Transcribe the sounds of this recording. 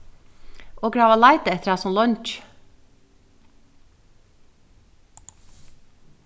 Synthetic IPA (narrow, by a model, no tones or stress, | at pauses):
ʔoːɡɹɑːʋɑlɑɪt̪əɛt̪ɾɑːsɔmlœnt͡ʃ